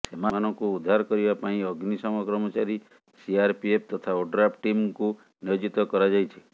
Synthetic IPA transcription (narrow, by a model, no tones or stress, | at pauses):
semaanɔŋkuud̪ʱːaɾkɔɾibapãĩɔɡnisɔmɔkɾɔmɔt͡ʃaɾi | siaɾpiep̚ʰt̪ɔt̪ʰaoɖɾapʈimku | nijod͡ʒit̪ɔkɔɾad͡ʒajt͡ʃʰe̥